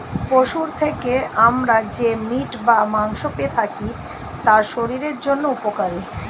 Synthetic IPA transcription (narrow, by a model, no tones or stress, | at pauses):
poʃuɾt̪ʰekeamɾad͡ʑemiʈbamaŋʃopet̪ʰaki | t̪aɾʃoɾiɾeɾd͡ʑonːoupokaɾe